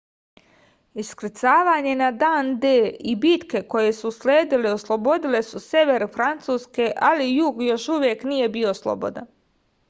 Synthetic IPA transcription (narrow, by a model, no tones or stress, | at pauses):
iskɾt̪saːʋaːɲe̞nad̪aːnd̪eːibit̪ke̞koje̞susleːd̪ileoslˠobo̞d̪ile̞suse̞ʋe̞ɾfɾant̪suːske̞ʔalijuːɡjo̞ʃuʋje̞knije̞bio̞slˠo̰bo̞̰d̪a̰n